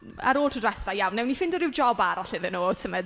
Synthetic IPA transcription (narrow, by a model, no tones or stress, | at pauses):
a̰ɾoːlˠtʰədwɛθajawnːɛwnːifɪndɔɾɪwd͡ʒɔbaɾɔɬɪðɪnoːtʰəmɛd